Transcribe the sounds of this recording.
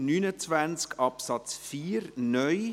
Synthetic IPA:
nyːnət͡svænt͡skʰɑpsɑt͡sfiːɾnœj

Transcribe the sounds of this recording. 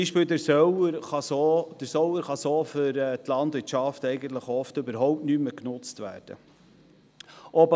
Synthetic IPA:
iːʃpiːld̪əsœəɾɑsod̥əɾsɔwəɾχɑsoːfʏɾɛt̪lɑndvɪtʃɑftɛɪɡənt̪ləχɔftʏbəɾɦɔʊp̚tnyːməknʊt͡stʋæ̰ːɾd̥ə̰ | ʔɔb

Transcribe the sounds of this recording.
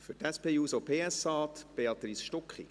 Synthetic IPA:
fʏɾtæspeːjuːsopʰeːɛsɑːt̪b̥eɑt̪ɾisʃtɔkχḭ

